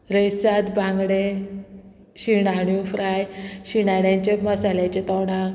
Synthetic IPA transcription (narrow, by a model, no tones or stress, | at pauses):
ɾəjsat̪bʱãŋɡɽe | ɕiɽaɽ̃jufɾajɕiɽaɽjãɲt͡ɕeməsalat͡ɕet̪əwɽak